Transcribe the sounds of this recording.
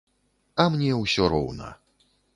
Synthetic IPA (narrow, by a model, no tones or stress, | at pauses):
ɐmnʲɛwsʲɔɾɔwnɐ̰